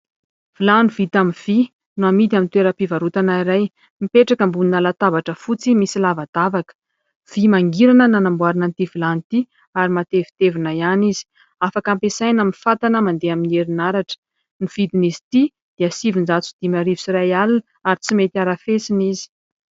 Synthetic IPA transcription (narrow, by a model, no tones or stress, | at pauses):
v̥ilanivit̪amiv̥i | nuamit̪̬iamint̪weɾəpivaɾut̪anaiɾaj | mipeʈ͡ʂakəmbuninalat̪avaʈ͡ʂəfut͡simisilavad̪̥avakə̥ | v̥imaŋɡiɾanənanambwaɾanant̪ivilant̪i | aɾimat̪evi̥t̪evinajanizi̥ | afakampesajnaminfat̪anəmand̪eamineɾinaɾaʈ͡ʂə̥ | niv̥id̪inizi̥t̪i | d̪̥iəsivind͡zat͡sud̪̥imaɾivusiɾajalun | aɾit͡simet̪iaɾafesinizi̥